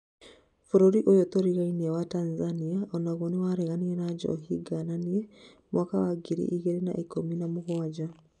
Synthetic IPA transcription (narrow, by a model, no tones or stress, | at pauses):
fuɾoɾiʔojotoɾiɣainiɛwatanzaniaɔnaɣwɔnewaɾɛɣaniɛnaɟɔ̰ɦiɡananie | mwakawaɡiɾḭʔiɣɛɾena̰ʔikominamʊɣwad͡ʑa